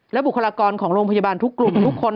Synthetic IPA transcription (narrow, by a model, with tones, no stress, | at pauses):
lɛ˦˥bkʰːa˧aː˧kɔː˧nkʰɔː˩˦ŋɾoː˧ŋpʰa˧ja˧baː˧nt̪ʰu˦˥kːlu˨˩mt̪ʰu˦˥kʰːo˧n